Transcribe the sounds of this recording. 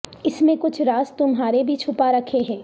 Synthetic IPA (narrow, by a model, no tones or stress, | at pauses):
ɪsmẽkʊt͡ʃʰɾaːst̪ʊmɦaːɾebʱit͡ʃʰʊpaɾɐkʰeɦɛ̃ː